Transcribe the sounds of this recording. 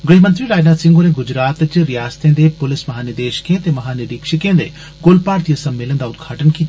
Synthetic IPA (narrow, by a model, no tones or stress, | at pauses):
ɡəɽimənt̪ɾiɾaːd͡ʒnasɪ̃ŋɡoneɡʊd͡ʒɾaːt̪t͡ʃɾijaːst̪ẽːd̪epʊlɪsmɐɦaːnɪɾd̪eːʃkẽt̪emɐɦaːnɪɾiːkʃəkẽːd̪ḛ | ɡolpaːɾt̪ijəsɐmːelənd̪aʊd̪ɡʱaːʈənkiːt̪a